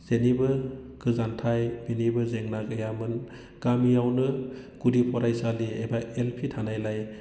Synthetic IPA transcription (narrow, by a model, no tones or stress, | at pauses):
z̥enibɯkʰɯzantʰajminibɯzeŋnaɡajamɯn | ɡ̥amijawnɯ | kudipʰɔɾajsaliebaelpʰitʰanajlaj